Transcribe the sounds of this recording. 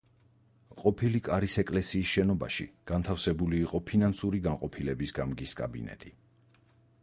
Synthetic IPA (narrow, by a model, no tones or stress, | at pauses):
qʼɔpʰilikʼaɾisɛkʼlɛsiːsʃɛnɔba̰ʃḭɡ̥ant̪ʰafsɛbuliːqʼɔpʰinansuɾiɡanqʼɔpʰilɛbisɡamɡiskʼa̰bḭnɛ̰t̪ʼi